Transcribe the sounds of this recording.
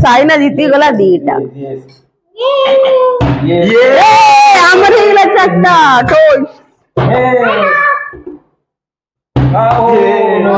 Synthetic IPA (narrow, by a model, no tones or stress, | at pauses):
sajnad͡ʑit̪iɡolad̪iʈa̰ | eaməɾilat͡ɕakt̪aʈʰoɕ